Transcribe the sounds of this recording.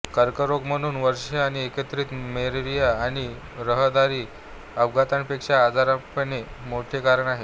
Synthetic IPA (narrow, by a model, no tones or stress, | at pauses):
kəɾkəɾoɡm̤əɽ̃uːnʋəɾʂaañiekət̪ɾiːt̪meɾɾijaːɽ̃i | ɾəɦəd̪aɾiː | əʋɡat̪aɳpekʂaːd͡zaɾãpəɳemoʈʰekaɾəɳaɦe